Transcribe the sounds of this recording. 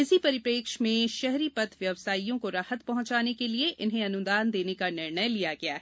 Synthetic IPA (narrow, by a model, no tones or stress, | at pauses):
ɪsipɐɾɪpɾeːkʃmẽʃɛɦɾipɐt̪ʰʋjɐʋsaːijõkoɾaːhət̪pɐɦʊ̃ɲt͡ʃaːnekelieɪnɦẽɐnʊd̪aːnd̪eːnekanɪɾɳəjlijaɡɐja̰ː